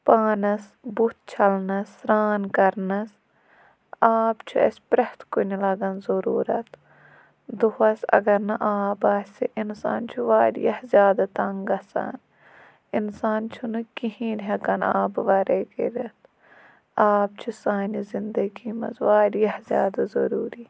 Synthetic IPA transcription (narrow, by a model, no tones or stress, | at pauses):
paːnɐs | but̪̚ʰt͡ʃʰɐlnɐsɾaːnkɐɾnɐs | aːbt͡ʃʰuɐ̰sʲpɾɐht̪kunilɐɡɐnzɐɾuːɾɐt̪ | d̪uhɐsɐ̰ɡɐɾnɐʔaːbaːsʲsḭʔinsa̰ːnt͡ʃʰuʋaːɾḭjɐhzʲjaːd̪at̪ɐŋɡɐsɐ̰ːn | insaːnt͡ʃʰunɨkiɦĩːnɦɐkɐna̰ːbʋɐɾeːkḛɾʲɐt̪ | aːb̚t͡ʃʰusaːnizind̪ɐɡiːmɐ̰sʋaːɾijɐhzʲjaːd̪azɐ̰ɾuːɾiː